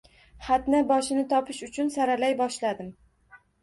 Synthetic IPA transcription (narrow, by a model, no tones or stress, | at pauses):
hat̪nabɒʃɪnɪt̪ʰɒpʰɪʃʊt͡ʃʰʊnsaɾalajbɒʃlad̪ɪm